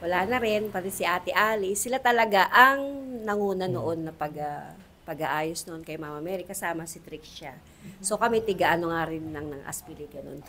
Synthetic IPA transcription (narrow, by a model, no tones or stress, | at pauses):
wɐlaːnɐɾɪnpɐt̪ɛsɪʔaːt̪ɪʔaːlɪsɪlat̪ɐlɐɡaʔɐŋnɐŋuːnɐnoʔo̞nːɐpɐɡa | pɐɡɐʔaːjosnoʔonkɐjmamɐmɛːɾikɐsaːmɐsɪt̪ɾikʃa | so̞kɐmɛt̪ɪɡaʔɐnoŋaɾɪnːɐŋnɐŋʔɐ̰spiliɡɐno̰n